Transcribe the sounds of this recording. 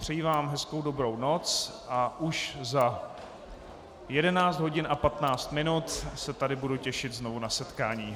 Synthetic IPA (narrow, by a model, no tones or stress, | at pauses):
pr̝̥ɛjiːvaːmɦɛsko̞wdobɾo̞wno̞t͡sʔaʔuʃza | jɛdɛnaːt͡sd̪ɦo̞ɟɪnʔapat̪naːt͡st̪mɪnut̪sɛt̪adɪbuducɛʃɪd̪zno̞vunasɛt̪kaːɲiː